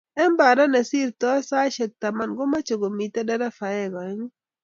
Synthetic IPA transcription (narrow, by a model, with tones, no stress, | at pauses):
ɛ˦mba˨ɾa˦na˨si˦˨ɾtɔ˦sa˦ʃɛ˨k̚ta˨ma˦˨nɡɔ˦ma˦t͡ʃo˨ɡo˨mi˨ta˦da˦ɾa˦fa˨jɛ˦˨ɡɔ˨˦ŋ˦